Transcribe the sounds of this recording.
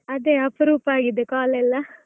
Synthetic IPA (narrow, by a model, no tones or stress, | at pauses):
ɐd̪eːɐpɾuːpaːɡid̪ekaːlɛlːɐ